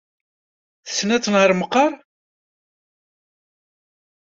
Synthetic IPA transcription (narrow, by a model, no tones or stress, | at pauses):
θə̥sːnæt͡sːənhəɾməqːɑɾˤ